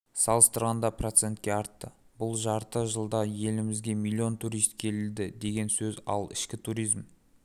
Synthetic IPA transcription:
sɑlˠəst̪əɾʁɑnd̪ɑpro̞t̪se̞nt̪̚kʲe̞ɑɾt̪ːə | bʊlˠʒɑɾt̪əʒəlˠd̪ɑje̞lɪmɪzɡʲe̞milʲːio̞nt̪ʰuɾijst̪kʲʰe̞lɪld̪ɪd̪e̞ɡʲe̞nsɵzɑ̰lˠɪ̰ʃkʲɪt̪ʰuɾijzm

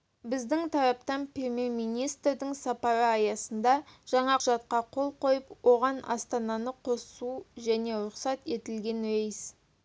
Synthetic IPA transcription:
bɪzd̪ɪŋt̪ʰɑɾɑpt̪ɑnprʲe̞mʲe̞rmijnijst̪rd̪ɪŋsɑpɑɾəɑjɑsənd̪ɑʒ̥ɑɴɑqʰʊʒɑt̪̚qɑqʰo̞lˠqʰo̞jəpwo̞ʁɑnɑ̰st̪ɑnɑnəqʰo̞ssuʒæne̞ɾʊqsɑt̪e̞t̪ɪlɡʲe̞nejs

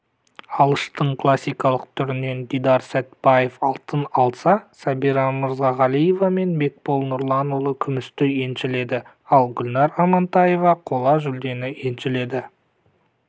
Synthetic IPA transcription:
ɑlˠəʃt̪əɴkʰlˠasʲːijkɑlˠəq̚t̪ʰʏɾɪne̞nd̪id̪ɑɾsæt̪b̥ɑje̞fɑlˠt̪ənɑlˠsɑsɑbiɾɑməɾzʁɑʁɑlˠije̞vɑme̞nbe̞k̚bo̞lˠnʊɾlˠɑnulˠəkʲʰʏmɪst̪ɪje̞nʃɪle̞d̪ɪ | ɑlˠɡʲʏlnɑɾɑmɑnt̪ɑje̞vɑqʰo̞lˠɑʒʏld̪e̞nɪe̞nʃɪle̞d̪ɪ

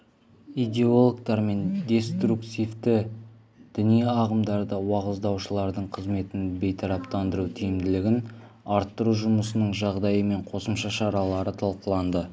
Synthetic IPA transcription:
ijd̪ʲe̞olˠokt̪ɑɾme̞nd̪ʲe̞st̪ɾukt̪ift̪ɪ | d̪̥ɪnijɑʁəmd̪ɑɾd̪əwɑʁəzd̪ɑwʃəlˠɑɾd̪əɴqʰəzme̞t̪ɪnbe̞jt̪ʰɑɾɑpt̪ɑnd̪əɾut̪ʰijɪmd̪ɪlɪɡʲɪn | ɑɾt̪ːəɾuʒʊməsənəɴʒɑʁd̪ɑjəme̞ɴqʰo̞səmʃɑʃɑɾɑlˠɑɾət̪ʰɑlˠqəlˠɑnd̪ə

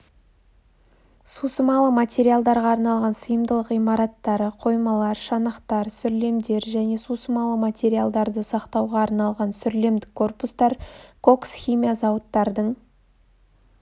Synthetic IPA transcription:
susəmɑlˠəmat̪ʲe̞ɾijalˠd̪ɑɾʁɑːɾnɑlˠʁɑnsəjəmd̪əlˠəqijmɑɾɑt̪ːɑɾəqʰo̞jmɑlˠɑɾʃɑnəqt̪ɑɾsʏɾle̞md̪e̞ɾʒæne̞susəmɑlˠəmat̪ʲe̞ɾijalˠd̪ɑɾd̪əsɑqt̪ɑwʁɑːɾnɑlˠʁɑnsʏɾle̞md̪ɪkʰːo̞rpust̪ɑɾkʰo̞ksχʲimʲijazɑwət̪ːɑɾd̪əɴ

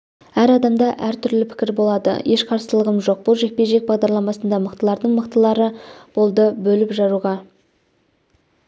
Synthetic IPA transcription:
æɾɑd̪ɑmd̪ɑʔæɾt̪ʰʏɾlɪpʰɪ̥kʲɪɾbo̞lˠɑd̪ə̰je̞ʃqʰɑɾsəlˠəʁəmʒo̞q̚b̥ʊlˠʒe̞k̚pe̞ʒe̞k̚bɑʁd̪ɑɾlˠɑmɑsənd̪ɑməqt̪əlˠɑɾd̪əɴməqt̪əlˠɑɾəb̥o̞lˠd̪əbɵlɪpʒɑɾuʁɑ

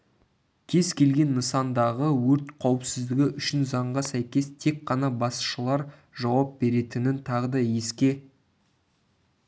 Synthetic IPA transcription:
kʲʰe̞zkʲʰe̞lɡʲe̞nːəsɑnd̪ɑʁəwɵɾt̪qʰɑwəpsɪzd̪ɪɡʲɪʔʏʃɪnzɑɴʁɑsæjkʲe̞st̪ʰe̞kqɑnɑbɑsʃəlˠɑɾ | ʒɑwɑp̚be̞ɾe̞t̪ɪnɪnt̪ʰɑʁəd̪ɑje̞skʲe̞

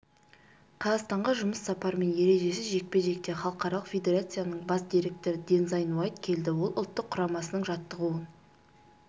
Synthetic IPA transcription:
qʰɑzɑʁst̪ɑɴʁɑʒʊməsːɑpɑɾme̞nje̞ɾe̞ʒe̞sɪzʒe̞k̚pe̞ʒe̞k̚t̪e̞χɑlˠəqɑɾɑlˠəqfʲe̞d̪ʲe̞ɾat̪sɨjanəɴbɑsd̪iɾe̞k̚t̪e̞ɾəd̪ʲe̞nzɑjnwɑjt̪kʲʰe̞ld̪ɪwo̞lˠʊ̰lˠt̪ːəqʰːʊɾɑmɑsənəɴʒɑt̪ːəʁuən

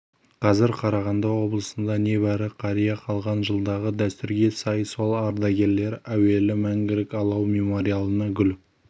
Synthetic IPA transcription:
qʰɑzɪɾqʰɑɾɑʁɑnd̪ɑwo̞blˠəsənd̪ɑne̞bæɾɪqʰɑɾijɑqʰɑlˠʁɑnʒəlˠd̪ɑʁəd̪æst̪ʏɾɡʲe̞sɑjso̞lˠɑɾd̪ɑɡʲe̞ɾle̞ɾæwe̞lɪmæŋɡʲɪlɪkɑlˠɑwmʲe̞mo̞ɾijalˠənɑɡʲʏl

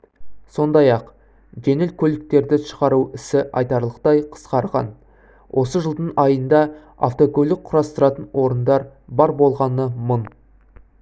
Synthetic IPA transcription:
so̞nd̪ɑjɑq | ʒe̞nɪlkʲʰɵlɪk̚t̪e̞ɾd̪ɪʃə̥ʁɑɾuɪsɪʔɑ̰jt̪ɑɾlˠəq̚t̪ɑjqʰə̥sqɑɾʁɑ̰n | wʔo̞səʒəlˠd̪əɴɑjənd̪ɑ | a̰ft̪o̞kʲolɪk̚qʰːʊɾɑst̪əɾɑt̪ənwo̞ɾənd̪ɑɾbɑɾbo̞lˠʁɑnəmən

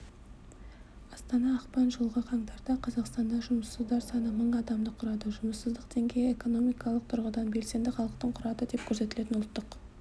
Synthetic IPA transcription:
ɑst̪ɑnɑːqpɑnʒəlˠʁəqʰɑɴt̪ɑɾd̪ɑqʰɑzɑqst̪ɑnd̪ɑʒʊməsːəzd̪ɑɾsɑnəməɴɑd̪ɑmd̪əqʰʊɾɑd̪əʒʊməsːəzd̪əqt̪ʰe̞ŋɡʲe̞jeko̞no̞mijkɑlˠəq̚t̪ʰʊɾʁəd̪ɑnbe̞lse̞nd̪ɪχɑlˠəq̚t̪əɴqʰʊɾɑd̪əd̪e̞p̚kʲʰɵɾs̬e̞t̪ɪle̞t̪ɪnʊlˠt̪ːəq

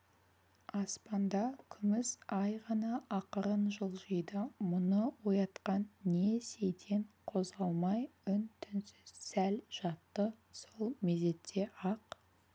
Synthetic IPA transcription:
ɑspɑnd̪ɑkʲʰʏmɪsɑjʁɑnɑʔɑqəɾənʒəlˠʒəjd̪əmʊnəwojɑt̪qɑnːe̞se̞jt̪ʰe̞nqʰo̞zʁɑlˠmɑjʏnt̪ʰʏnsɪz̥sælʒ̥ɑt̪ːəso̞lˠmeze̞t̪ʰːe̞ʔɑq

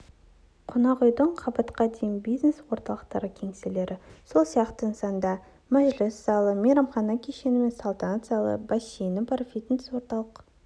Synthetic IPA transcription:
qʰonɑʁʊjd̪əɴqʰɑbɑt̪qɑd̪e̞jɪnbijzneswo̞ɾt̪ɑlˠəqt̪ɑɾəkʲʰe̞ŋsele̞ɾʔɪso̞lˠsijɑqt̪əənsɑnd̪ɑ | mæʒlɪsz̥ɑlˠəmeɾɑmχɑnɑkʲʰe̞ʃe̞nɪme̞nsalˠt̪ɑnat̪sɑlˠə̰bɑʃenɪbɑɾfit̪nɪ̥swo̞ɾt̪ɑlˠəq

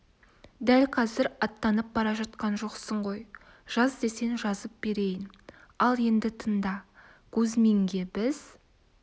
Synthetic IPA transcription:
d̪ælqʰɑzɪɾɑt̪ːɑnəp̚bɑɾɑʒɑt̪qɑnʒo̞qsəɴʁo̞j | ʒ̥ɑzd̪e̞se̞nʒɑzəp̚b̥e̞ɾe̞jɪn | ɑlˠje̞nd̪ɪt̪ʰənd̪ɑ | kʲʰɵzme̞ŋɡʲe̞bɪz̥

